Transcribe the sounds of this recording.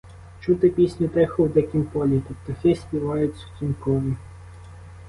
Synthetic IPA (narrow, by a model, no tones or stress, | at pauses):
t͡ʃut̪ɪpʲisʲnʲʊt̪ɛxʊwd̪ɛkʲimpɔlʲit̪ɔpt̪ɔxɛsʲpʲiʋɑjʊt͡sʲːɐwt̪ʲimkɔɾʲi